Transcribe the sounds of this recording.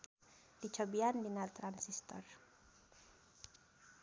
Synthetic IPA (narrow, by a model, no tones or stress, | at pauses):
dit͡ʃɔbianlinalt̪ɾansist̪ɔr